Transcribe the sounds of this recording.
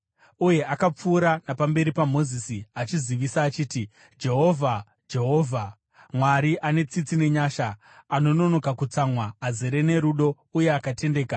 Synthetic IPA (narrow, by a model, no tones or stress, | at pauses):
uje̞ʔakap͡fuːɾanapambe̞ɾipamo̞zisiat͡ʃiziʋisaːt͡ʃiːti | d͡ʒe̞ɦo̞vʱa | d͡ʒe̞ɦo̞ːvʱa | mwaɾiʔane̞t͡sit͡sine̞ɲaːʃa | ano̞no̞no̞kakut͡samwaːzeɾe̞ne̞ɾuɗo̞ | uje̞akate̞nde̞ːka